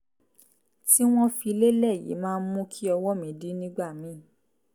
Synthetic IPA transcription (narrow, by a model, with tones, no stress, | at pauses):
ti˦w̃ɔ̃˦fi˧le˦lɛ˦˨jḭ˨˦mãː˦˧n̩˦mũ˦kʰi˦ɔ˧wɔ˦mĩ˨˦di˦nĩ˦ɡ͡ba˦˨mĩ˨˦˨